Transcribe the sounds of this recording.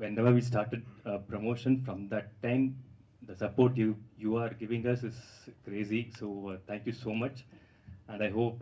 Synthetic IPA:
ʋɛ̃nɛʋəɾʋiːsʈaːɾʈeɖ̚pɾomoːʃə̃nfɾɔ̃md̪æʈːãɪ̃m | d̪əsɐpoːɾʈjujuːaːɾɡɪʋɪ̃ŋɡʌsɪzkɾeːzisoːt̪ʰæ̃ŋkjusoːmʌt͡ʃ | æ̃ɳɖaɪɦoːp

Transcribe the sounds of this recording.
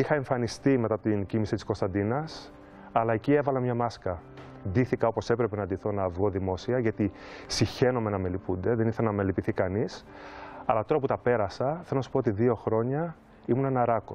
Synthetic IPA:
ixɐe̞ɱfɐnist̪ime̞t̪ɐpot̪incimisit̪isko̞st̪ɐnd̪inɐs | ɐlɐe̞cie̞vɐlɐmɲɐmɐskɐ | d̪iθikɐopo̞se̞pɾe̞pe̞nɐd̪iθo̞nɐvɣo̞ðimo̞siɐʝɐt̪i | siçe̞no̞me̞nɐme̞lipund̪e̞ðe̞niθelnɐmelipiθikɐnis | ɐlɐt̪o̞ɾɐput̪ɐpe̞ɾɐsɐθelonɐsu̥poot̪iðio̞xɾo̞ɲɐ | imunenɐɾɐko

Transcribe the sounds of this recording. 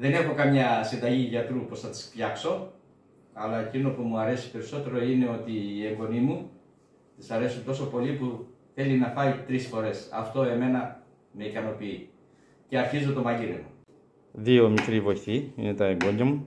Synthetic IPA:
ðe̞ne̞xo̞kɐmɲɐsind̪ɐʝiʝɐt̪ɾupo̞sθɐt̪i̥spçɐkso̞ | ɐlɐe̞cino̞pumuɐɾe̞si̥pe̞ɾiso̞t̪e̞ɾo̞ine̞o̞t̪iːe̞ŋɡo̞nimu | t̪isɐɾe̞sunt̪o̞so̞po̞lipuθe̞linɐfɐit̪ɾisfo̞ɾe̞sɐ̰ft̪o̞e̞me̞nɐ | me̞ikɐno̞pii | ce̞ɐɾçizot̪o̞mɐʝiɾḛmo | ðio̞mikɾivo̞jθiḭne̞t̪ɐeŋɡo̞ɲɟɐmu

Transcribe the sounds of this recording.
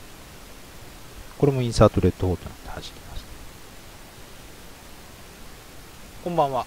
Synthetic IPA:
ko̞ɾe̞mo̞ĩsaːt̪o̞ɾe̞t̪ːo̞hoːt̪onakt̪e̥haʑi̥ɾʲi̥maɕi̥t̪ḁ | kõmbãɰ̃βa

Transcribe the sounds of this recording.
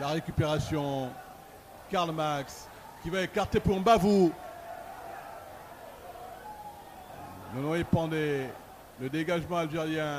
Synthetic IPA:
laʁekʲypeʁasjɔ̃ | kaʁlmaks | kʲivaekaʁt̪epuʁɑ̃bavu | nɔ̃nɔ̃epɑ̃d̪e | ləd̪eɡaʒmɑ̃alʒeʁjɛ̃

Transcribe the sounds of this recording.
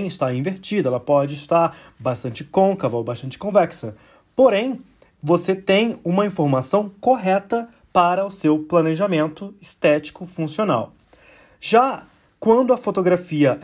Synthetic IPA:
j̃ɪst̪aĩveɾt͡ʃid̪ɐɛlɐpɔd͡ʒɪɪst̪aɾ | baʃt̪ɐ̃nt͡ʃɪkõkɐvɐowbaʃt̪ɐ̃nt͡ʃɪ̥kõvɛksɐ | poɾẽj̃ | voset̪ẽj̃ũmɐĩfoɾmasɐ̃w̃koɦɛt̪ɐ | paɾɐʊsewplɐneʒamẽnt̪ʊɪst̪ɛt͡ʃi̥kʊfũsiona̰w | ʒa | kwɐ̃nd̪ʊɐfot̪oɡɾafiɐʔ

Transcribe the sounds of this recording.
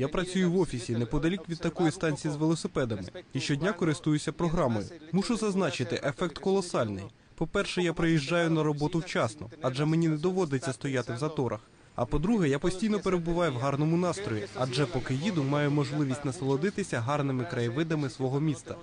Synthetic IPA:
japɾɐt͡sʲujʊʋɔfʲisʲinɛpɔd̪ɐlʲikʲʋʲid̪̚t̪ɐkɔjist̪ɑnʲt͡sʲijizʋelˠɔsepɛd̪ɐmɪ̰iʃt͡ʃɔdʲnʲakɔɾɪst̪ujʊt͡sʲːɐpɾɔɦɾɑmɔjʊ̰muʃʊzɐznɑt͡ʃɪt̪ɪʔefɛk̚t̪kɔlˠɔsɑlʲnɪ̰j | pɔpɛrʃɛjapɾɪjiʒd͡ʒɑjʊnɐɾɔbɔt̪ʊwt͡ʃɑsnɔ̰ɐd͡ʒɛmenʲinɛd̪ɔʋɔd̪et͡sʲːɐst̪ɔjat̪ɪwzɐt̪ɔɾɐ̰x | ɐ̰pɔd̪ɾuɦɛjapɔsʲtʲijnɔpeɾebʊʋɑjʊwɦɑrnɔmʊnɑst̪ɾɔjʲiɐd͡ʒɛpɔkɪjid̪ʊmɑjʊmɔʒlˠɪʋʲisʲtʲnɐsɐlˠɔd̪ɪt̪ɪsʲɐɦɑrnɪmɪkɾɐjʋɪd̪ɐmɪsʋɔɦɔmʲist̪ɐ

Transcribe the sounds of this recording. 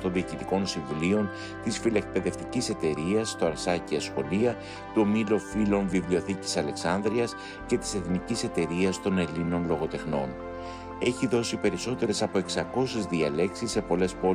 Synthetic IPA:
t̪o̞nðiɐcit̪iko̞nsiɱvulio̞n | t̪isfilek̚pe̞ðe̞ft̪icise̞t̪e̞ɾiɐst̪o̞ɐɾsɐciɐsxo̞liɐ | t̪umilo̞filo̞nvivlio̞θici̥sɐle̞ksɐnðɾiɐs | ce̞t̪i̥se̞θnicise̞t̪e̞ɾiɐst̪o̞ne̞lino̞nlo̞ɣo̞t̪e̞xno̞n | e̞çiðo̞sipe̞ɾiso̞t̪e̞ɾe̞sɐpo̞e̞ksɐko̞sezðiɐle̞ksisːe̞po̞le̞spo̞

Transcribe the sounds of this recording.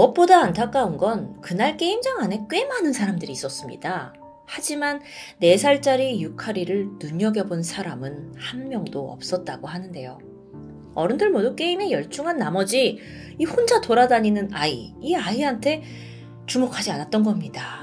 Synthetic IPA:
ʌp̚p͈odaːntʰak͈aunɡʌnkɯnaɭk͈e̞imd͡ʑaŋane̞k͈emanɯnsʰaɾamdɯɾiːs͈ʌs͈ɯmɲḭda | had͡ʑimanː | e̞sʰaɭt͡ɕ͈aɾijukʰaɾiɾɯɭnuɲʌɡjʌbonsʰaɾamɯnhanmjʌŋdoʌ̰p̚s͈ʌt̚t͈aɡohanɯnde̞jo | ʌɾɯndɯɭmoduk͈e̞ime̞jʌɭt͡ɕ͈uŋɦanːamʌd͡ʑi | ihond͡ʑatoɾadaɲinɯnaḭiaiɦantʰe̞ | t͡ɕumokʰad͡ʑianat͈̚ʌnɡʌmɲida

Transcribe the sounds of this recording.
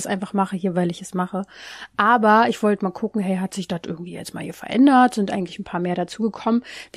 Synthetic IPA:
sʔa̰ɪnfaχmaχəɦiːɐvaɪlɪçɛsmaχəʔaːbɐɪçv̥ɔltəmaːlkʰʊkŋ̩ɦɛɪɦatz̥ɪçd̥atʔɪ̰ɐɡŋ̩tv̥iːjɛ̰t͡stma̰ːlhiːɐfɛɐʔɛ̰ndɐtz̥ɪntʔaɪɡŋ̩tlɪçn̩pʰaːɐmeːɐɾat͡suːɡəkʰɔmənv̥

